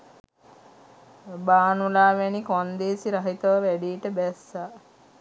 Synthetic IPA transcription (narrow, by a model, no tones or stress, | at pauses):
baːnulaːʋɛnikond̪eːsiɾaɦit̪əʋəʋæɖiːʈəbɛsːa